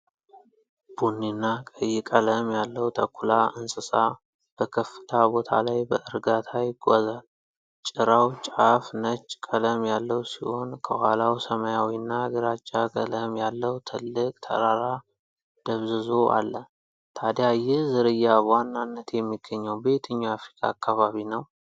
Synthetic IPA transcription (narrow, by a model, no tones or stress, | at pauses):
b̥unːinːakʼəjːɪkʼələmjalːəwt̪ʰəkʰʷːulaɨnsʼɨsa | b̥əkʰəfːɨ̥t̪ʰabo̞t̪ʰa̰lajbəʔɨɾɡat̪ʰajɪɡʷozal | t͡ʃʼɪɾawt͡ʃʼafnət͡ʃʼːkʼələmjalːəwsiho̞nkʰəhalawsəmajawinːaɡɨɾat͡ʃʼːaɡʼə̰ləmjalːəwt̪ʰɨlːɨkʼt̪ʰə̰ɾaɾa | d̪̥əβzɨzo̞ʔa̰lːə | t̪ʰad̪jajɪhzɨɾɨjːabwanːanːət̪jɛmːiɡ̥ːəɲːɛwbe̞t̪ʰəɲːaafɾikʰa̰ːkʰːaβaβinəw